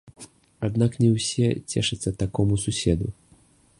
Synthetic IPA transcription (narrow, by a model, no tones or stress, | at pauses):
ad̪naknʲɛwsʲɛt͡sʲɛ̰ʂɐt̪sːɐt̪akɔmususʲɛd̪u